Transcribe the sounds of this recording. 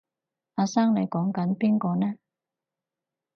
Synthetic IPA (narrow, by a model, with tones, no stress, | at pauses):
ʔaː˧saː˥ŋne˨˧jkɔː˨˥ŋkɐ˨˥npiː˥nkɔː˧nɛː˥